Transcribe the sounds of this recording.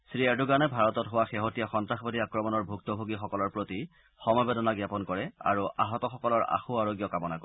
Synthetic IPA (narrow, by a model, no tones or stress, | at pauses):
sɹijaɹduɡanɛbʱaɹɔtɔtɦowaxeɦotijaxɔntaxbadiakɹɔmɔnɔɹbʱuk̚tɔbʱoɡixɔkɔlɔɹpɹoti | xɔmɔjbedɔnaɡjapɔnkɔɹɛa̰ɹua̰ɦɔtɔxɔkɔlɔɹa̰xuaɹoɡjɔkamɔnak